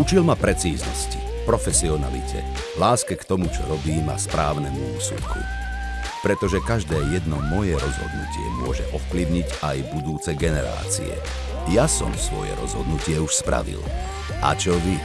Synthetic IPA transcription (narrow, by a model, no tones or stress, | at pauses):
ut͡ʃilmapɾɛt͡siːznɔsci̥ | pɾɔfɛsiɔna̰lḭcʰɛ̰ | laːskɛkt̪ɔmut͡ʃɔɾɔbiːma̰spɾaːʊnɛmuuːsṵt̪kʰṵ | pɾɛt̪ɔʒɛkaʒd̪ɛːjɛd̪nɔmɔjɛɾɔzɦɔ̰d̪nṵcɪɛ̰mʊɔʒɛʔɔfpliʊɲiɟajbud̪uːt͡sɛɡɛnɛɾa̰ːt͡sḭɛ̰ | jasɔ̰msʋɔ̰jɛ̰ɾɔ̰zɦɔd̪nucɪɛuʃspɾʔa̰ʋḭl | a̰t͡ʃɔʋi